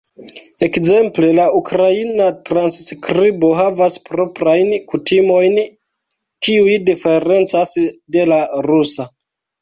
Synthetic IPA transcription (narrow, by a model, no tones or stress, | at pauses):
e̞kze̞mple̞laukɾainatɾansːkɾibo̞ɦavaspɾo̞pɾajnkutimo̞jn | kiujdife̞ɾe̞nt͡sasde̞laɾusa